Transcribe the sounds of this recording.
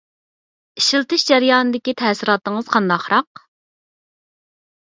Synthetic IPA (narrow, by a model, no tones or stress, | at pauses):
iʃilˠt̪ɨʃd͡ʒæɾjɑːnɨd̪ɪkʲit̪ʰɛːsɪɾɑːt̪əŋəz̥qʰɑnd̪ɑχɾɑq